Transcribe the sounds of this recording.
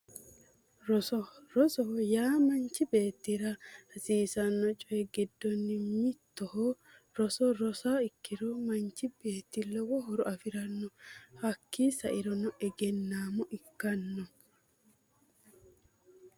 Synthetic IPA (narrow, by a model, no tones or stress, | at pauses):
ɾɔsɔɾɔsɔɦɔjaːmɐnt͡ʃːɪbe̞ːt̪ːɪɾɐhɐsiːsɐnːɔt͡ʃʼɔɛɡɪd̪ːɔnːɪmɪt̪ːɔhɔ | ɾɔsɔɾɔsaːɪkːɪɾɔmɐnt͡ʃːɪbe̞ːt̪ːɪlɔwɔɦɔɾɔʔɐfɪɾɐnːɔhɐkːiːsɐʔɪɾɔnɔɛɡɛnːaːmɔʔɪkːɐnːɔ